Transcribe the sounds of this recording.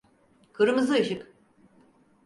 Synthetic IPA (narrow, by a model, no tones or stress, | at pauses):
kʰɯɾɯmɯzɯɯʃɯk